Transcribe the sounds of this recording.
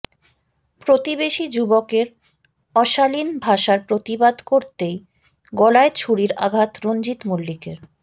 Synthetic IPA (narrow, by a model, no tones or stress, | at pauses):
pɾot̪ibeʃid͡ʑubokeɾ | ɔʃalinbʱaʃaɾpɾot̪ibad̪koɾt̪ej | ɡɔlaet͡ɕʰuɽiɾa̰ɡʱat̪ɾond͡ʑit̪mulːikeɾ